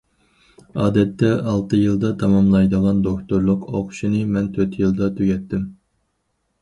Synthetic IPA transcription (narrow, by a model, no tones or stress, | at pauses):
ɑːd̪ɛt̪ːɛɑlˠt̪ɨjɨlˠd̪ɑt̪ʰɑmɑmlˠɑjd̪əʁɑnd̪okt̪oɾlˠʊqoqʊ̥ʃinɨmɛnt̪ʰøɾt̪ʰjɨlˠd̪ɑt̪ʰyɡʲɛt̪ːɪm